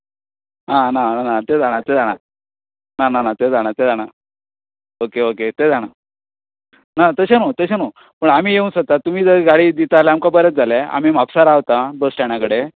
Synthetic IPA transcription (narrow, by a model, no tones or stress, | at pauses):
ɦãnananat̪ed͡zʱaɽ̃at̪ed͡zaɽ̃a | nananat̪ed͡zaɽ̃at̪ed͡zaɽ̃a | okeoket̪ed͡zʱaɽ̃a | nat̪əɕenot̪əɕeno | pəɳam̤iːjeunsət̪at̪um̤iːd͡zəɡaɽiːd̪it̪aaleamkabəɾət͡s̚d͡zʱalea̰m̤imapsaɾaʋt̪abəsʈaɳ̃jakəɽe